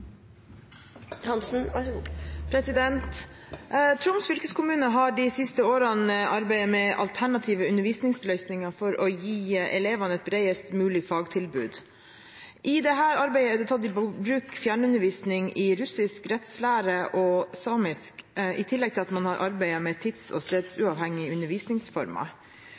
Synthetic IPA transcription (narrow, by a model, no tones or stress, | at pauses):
hɑnsn̩ | pʰɾɛsɪd̪ɛnt̪ | t̪ʰɾʊmsfʏlkəskʰʊmʉːnəɦɑɖɪsɪst̪əoːɾɑnəʔɑɾbæɪəmɛʔɑ̰lt̪ʰæɳɑt̪ʰiːʋəʉnəɾʋiːsnɪŋslœʏsnɪŋɑfɔɾʔɔjiːɛ̰leːʋɑnəɛt̪̚bɾæɪəst̪mʉːlɪfɑːɡt̪ʰɪlbʉ̰ːd̪ | ʔɪd̪ɛɦæːɾɑɾbæɪəɛd̪ɛt̪ʰɑt̪ːɪbɾʉːkfjæːɳʉnəʋiːsnɪŋʔɪɾʉsɪskɾɛt̪slæːɾəʔɔsɑːmɪskɪt̪ʰɪlːɛɡ̚t̪ʰɪlɑt̪mɑnhɑɾʔɑɾbæɪəmɛt̪ʰɪt̪sɔ̰st̪eːd̪sʉɑːʋhɛŋːɪʉnəʋiːsnɪŋsfɔ̰ɾmɑ̰